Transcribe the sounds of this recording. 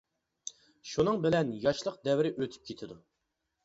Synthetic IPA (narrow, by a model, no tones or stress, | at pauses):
ʃunɨŋbɪlɛnjɑʃlˠəq̚d̪ɛvɪɾɪʔøt̪ʰy̥p̚kʲʰet̪ʰɪd̪u